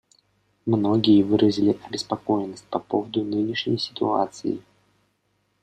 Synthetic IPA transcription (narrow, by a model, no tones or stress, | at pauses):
mno̞ɡʲɪjəvɨɾʔəzʲɪlʲɪʔɐbʲɪspɐko̞jnːəsʲt̚ʲpɐpovəd̪ʊnɨnʲɪʂnʲɪ̰jsʲɪ̥t̪ʊ̰a̰t̪sɨ̰jɪ̰